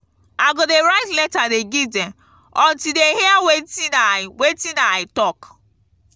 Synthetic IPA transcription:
aɡodeɾaɪtlɛtadeɡidem | ɔ̃ntideɦeawetinawetinaɪtɔk

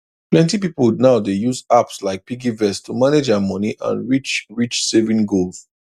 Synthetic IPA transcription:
plɛ̃ntipipəlˠnaʊdejuzapslaɪk̚piɡivɛstʰumaned͡ʒamʌniʔã̰nɹit͡ʃɹit͡ʃsɛvĩŋɡolz̥

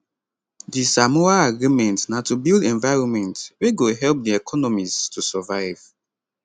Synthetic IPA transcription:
disamuaaɡɹimɛ̃ntnatubilˠdɛ̃nvaɪɹɔ̃nmɛ̃ntweɡoɦɛlp̚diɛkʰɔnɔmiztusɔvaɪv̥

